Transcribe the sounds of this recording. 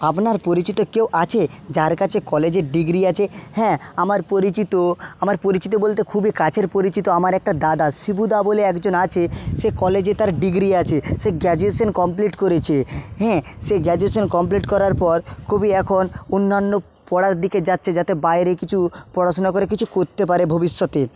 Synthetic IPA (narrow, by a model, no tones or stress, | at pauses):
apnaɾpoɾit͡ɕit̪okewʔat͡ɕʰed͡ʑaɾkat͡ɕʰekɔled͡ʑeɾɖiɡɾiat͡ɕʰehɛ̃amaɾpoɾit͡ɕit̪oamaɾpoɾit͡ɕit̪̬obolt̪ekʰubikat͡ɕʰeɾpoɾit͡ɕit̪oamaɾɛk̚ʈad̪ad̪asibud̪aboleɛkd͡ʑonat͡ɕʰeʃekɔled͡ʑet̪aɾɖiɡɾiat͡ɕʰeʃeɡɛd͡ʑueʃonkɔmpliʈkoɾet͡ɕʰeɦɛ̃seɡɛd͡ʑueʃonkɔmp̬liʈkɔɾaɾpɔɾkʰubiɛkʰononːanːo | pɔɽaɾd̪iked͡ʑatːɕʰed͡ʑat̪ebaeɾekit͡ɕʰupɔɾaʃonakoɾek̬it͡ɕʰukoɾt̪ep̬aɾebʱobiʃːot̪e